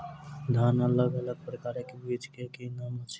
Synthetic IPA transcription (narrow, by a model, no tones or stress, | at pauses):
d̪ʱaːnələɡələɡ̚pɾəkaːɾẽkebiːd͡ʒkekenaːmət͡ʃʰ